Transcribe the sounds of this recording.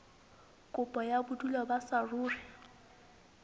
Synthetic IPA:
kʼʊpʼɔjabʊtʼulɔbasaruːrɪ

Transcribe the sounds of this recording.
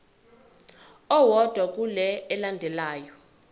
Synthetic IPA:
ɔwɔd̥ʱwak̬ʼulɛːlandʱɛlaːjɔ

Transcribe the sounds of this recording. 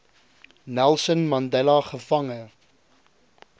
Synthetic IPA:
nælˠsənmɐndɛlɐχəfɐŋə

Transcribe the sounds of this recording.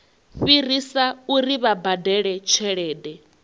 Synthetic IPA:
ɸirisauɾiβabadɛɺɛt͡ʃʰɛɺɛːdɛ

